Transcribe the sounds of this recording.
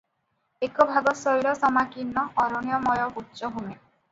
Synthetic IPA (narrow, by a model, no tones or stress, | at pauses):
ekɔbʱaɡɔsɔjlɔsɔmakinːɔɔɾɔñijɔmɔjɔbutːt͡ʃɔɦume